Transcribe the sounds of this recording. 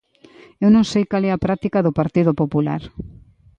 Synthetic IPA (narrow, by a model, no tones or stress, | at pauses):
ewnõŋsejkalɛapɾat̪ikaðʊpaɾt̪iðopopula̰ɾ